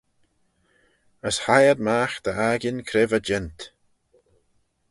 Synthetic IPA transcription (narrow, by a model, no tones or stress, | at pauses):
əshajəd̪maːxd̪̥əaɡɪnkʰɾɪvəd͡ʒɛnt̪